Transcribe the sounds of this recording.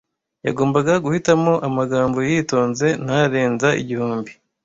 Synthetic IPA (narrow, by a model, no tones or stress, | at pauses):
ja̰ɡo̞ːmbaɡaɡuhitamo̞ʔamaɡaːmbo̞jiːto̞ːnze̞naɾe̞ːnzaʔḭɟihuːmbi